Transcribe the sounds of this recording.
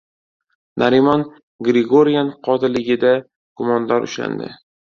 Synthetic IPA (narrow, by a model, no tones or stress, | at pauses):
nʔaɾimɒn | ɡɾɪɡoɾijanqʰɒt̪ʰɪlɪɡʲɪd̪a | ɡ̥ʊmɒnd̪aɾʊ̰ʃla̰nd̪ɪ̰